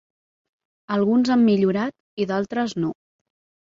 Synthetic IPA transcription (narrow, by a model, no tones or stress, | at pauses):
əlˠɣunzamːiʎuɾat̪ | iðalˠt̪ɾəzno